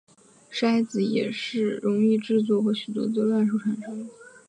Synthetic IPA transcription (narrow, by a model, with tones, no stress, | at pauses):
ʂ̩˥a˥ɪd͡zɹ̩˨˧˥jɛ̰˨˩ʂɻ̩˥˩ɻʊ˧˥ŋi˥˧ʈ͡ʂɻ̩˥˧t͡swɔ˥˩xɤ˧˥ɕy˨˩t̪wɔ̰˥t͡sɤ˥˧lwa˥˧nʂ̬u˥˩ʈ͡ʂʰa˨˥nʈ͡ʂʰa˧˥